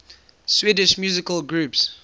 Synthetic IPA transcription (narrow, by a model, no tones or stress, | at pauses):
swidɪʃmjuzɪkəlɡɹuːps